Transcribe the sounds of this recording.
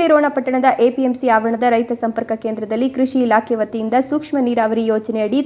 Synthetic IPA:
iɾoːɳɐpɐʈːɐɳɐd̪ɐʔeːpiemsiaːʋɐɐɳɐd̪ɐɾɐjt̪ɐsɐmpɐɾkɐkeːnd̪ɾɐd̪ɐlːikɾiʂiːlaːkʰɛʋɐt̪ːijind̪ɐsuːkʂmɐniːɾaːʋɐɾijoːt͡ʃɐnɛɐɽi

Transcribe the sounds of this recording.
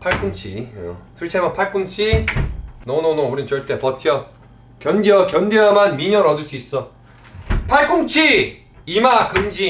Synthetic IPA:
pʰaɭk͈uŋt͡ɕʰḭʌ̰sʰuɭt͡ɕʰiamʌpʰaɭk͈uŋt͡ɕʰi | nononouɾint͡ɕʌɭt͈e̞pʌtʰiʌ | kjʌndiʌkjʌndeʌmanmiɲʌɾʌdɯɭs͈uis͈ʌ | pʰaɭk͈uŋt͡ɕʰi | imakɯnd͡ʑi

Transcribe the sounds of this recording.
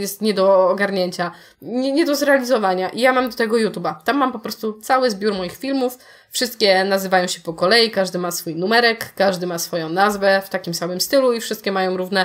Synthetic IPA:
jɛst̪ɲɛd̪ɔːɡaɾɲeɲt͡ɕa | ɲɛɲɛd̪ɔzɾɛalʲizɔvaɲaʔijamamd̪ɔt̪ɛɡɔjut̪ubat̪amːampɔpɾɔst̪ut̪sawɘzbʲjuɾmɔjixfʲilmufː | ʂɘst̪̚kʲɛnazɘvajɔ̃w̃ɕɛpɔkɔlɛjikaʐd̪ɘmasfujnumɛɾɛkːaʐd̪ɘmasfɔjɔ̃w̃nazvɛft̪akʲimsamɘmst̪ɘluifʂɘst̪kʲɛmajɔ̃w̃ɾuvnɛ

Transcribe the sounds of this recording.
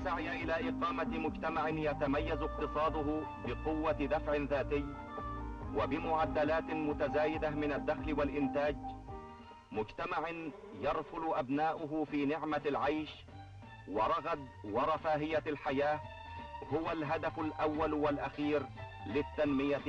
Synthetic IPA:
saʕjaʔɪlaːʔɪqɑːmamʊd͡ʒt̪amaʕɪnjat̪amajːazq̚t̪ɨsˤɑːd̪ˤʊɦʊ | bɪqʊwːad̪afʕɪnðaːt̪ɪjː | wabɪmʊʕad̪ːalaːt̪ɪmʊt̪azaːjɪd̪amɪnad̪ːaxlɪwalʔɪnt̪aːd͡ʒ | mʊd͡ʒt̪amaʕɪn | jɑɾˤfʊlʊʔabnaːʔʊɦʊfiːnɪʕmalʕajʃ | wɑɾˤɑɣad̪ | wɑɾˤɑfaːɦɪjalħajaː | hʊwalɦad̪afalʔawːalwalʔaxiːɾ | lɪt̪ːanmɪja

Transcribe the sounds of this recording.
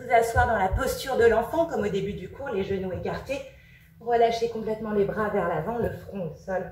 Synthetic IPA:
uzaswaʁd̪ɑ̃lapɔst̪yʁd̪əlɑ̃fɑ̃kɔmod̪ebyd̪ykʰuʁleʒənuekaʁt̪e | ʁəlaʃekɔ̃plɛt̪mɑ̃lebʁavɛʁlavɑ̃ləfχɔ̃osɔl

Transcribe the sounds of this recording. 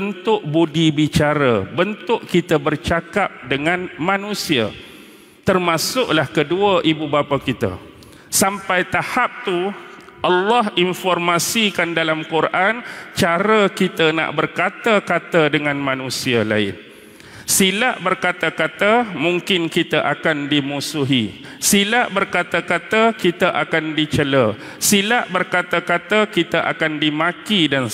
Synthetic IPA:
bənt̪ʊʔbudibit͡ʃaɾəbənt̪ʊʔkit̪əbərt͡ʃakap̚dəŋãnmãnũsia̰ | t̪ərmãsʊʔlahkəduəʔibubapakit̪a̰ | sampajt̪ahap̚t̪uʔɑlːɔɦinfɔrmãsikandalamkurʔant͡ʃaɾəkit̪əna̰ʔbərkat̪əkat̪ədəŋãnmãnũsiala̰ɪ̰n | silaʔbərkat̪əkat̪əmuŋkɪnkit̪əʔakandimusuɦi | silaʔbərkat̪əkat̪əkit̪əʔakandit͡ʃələ | silaʔbərkatk̪əkat̪əkit̪əʔa̰kandimãkidan

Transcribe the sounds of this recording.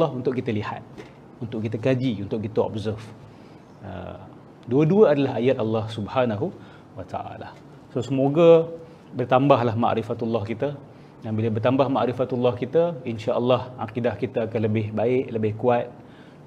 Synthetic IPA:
ɑɦunt̪ʊʔkːit̪əliha̰t̪̚ | unt̪ʊʔkit̪akad͡ʒiunt̪ʊʔkit̪aɔ̰bzərf | ə̰ | duəduəadalaɦajat̪̚alːɑhsubhanaɦu | wat̪a̰ʔa̰la̰ | sosəmoɡa | bərt̪ambaɦlaɦma̰ʔɾifat̪ulːɑhkit̪ə | danbilabərt̪ambahma̰ʔɾifat̪ulːɑhkit̪əinʃaʔəlːɑhʔa̰qidahkit̪aːkanləbɪhbaɪʔləbɪhkuat̪̚

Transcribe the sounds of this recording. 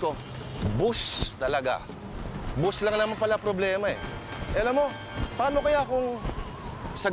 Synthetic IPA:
ko | bʊst̪ɐlɐɡa̰ | bʊslaŋnɐmanpɐlapɾoblɛːmɐɛ̰ | ʔɛɐlamo̞ | paːnokɐjakoŋ | sɐ

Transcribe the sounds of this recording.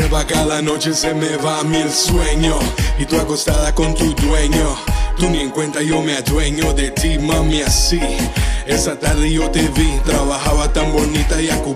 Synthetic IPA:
sɛbakalanot͡ʃesemevamilswɛɲoit̪uakost̪aðakõnt̪ud̪wɛɲot̪unẽŋkwẽnt̪aiomead̪wɛɲod̪et̪imãmiasiɛsat̪aɾijot̪evit̪ɾaβaɦavat̪ɐ̃ŋ̃bonit̪aiaku

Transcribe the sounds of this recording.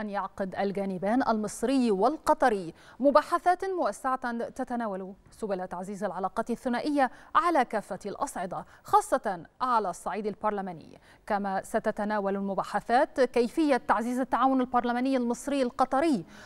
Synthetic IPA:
ʔanjɑʕqɪd̪ʔalɡaːnɪbaːnʔa̰lmɨsˤɾɪjːwalqɑt̪ˤɑɾɪː | mʊbaːħaθaːt̪mʊʔasːaʕat̪t̪at̪anaːwal | sʊbalat̪aʕziːzalʕalɑːqɑːt̪θːʊnaːʔɪjːaʕalakaːfːalʔɑsˤʕɪd̪ˤɑ | xɑːsˤːɑt̪ʕalasˤːɑʕiːd̪albɑɾˤlamaːnɪ̰jː | kamasat̪at̪anaːwalalmʊbaːħaθaːt̪kajfɪjːat̪ːaʕziːzat̪ːaʕaːwʊnalbɑɾˤlamaːnɪjːalmɨsˤɾɪjːalqɑt̪ˤɑɾɪː

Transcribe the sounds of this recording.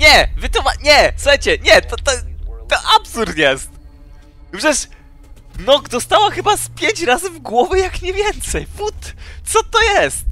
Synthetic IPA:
ɲɛvɘt̪ɔmaɲɛsuxajt͡ɕɛɲɛt̪ɔt̪ɔt̪ɔʔapsuɾt̪jɛst̪ | pʂɛʂ | nɔɡd̪ɔst̪awaxɘbaspʲjeɲʲt͡ɕɾazɘvɡwɔvɘjakɲɛvʲjɛnt̪sɛjfut̪sɔt̪ɔjɛst̪̚

